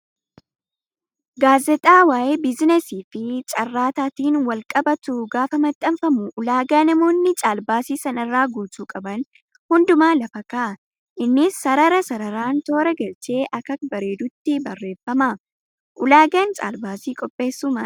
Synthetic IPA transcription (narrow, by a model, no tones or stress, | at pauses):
ɡaːzɛt̪ʼaːwaːʔeːbɪznɛsiːfɪt͡ʃʼɐrːaːt̪aːt̪iːnwɐlkʼɐbɐt̪uɡaːfɐmɐt̪ʼːɐmfɐmʊʔʊlaːɡaːnɐmo̞ːnːɪt͡ʃʼaːlbaːsiːsɐnɐrːaːɡuːt͡ʃuːkʼɐbɐn | hʊnd̪ʊmaːlɐfɐkaː | ʔɪnːɪsːɐɾɐɾɐsɐɾɐɾaːnt̪o̞ːɾɛɡɐlt͡ʃe̞ːʔɐkɐk̚bɐɾe̞ːd̪ʊt̪ːɪbɐrːe̞ːfːɐma | ʔʊlaːɡɐnt͡ʃʼa̰ːlbaːsiːkʼɔpʼːe̞ːsːʊmɐ